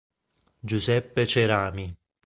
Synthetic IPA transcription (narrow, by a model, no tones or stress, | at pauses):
d͡ʒuzɛpːet͡ʃeɾaːmi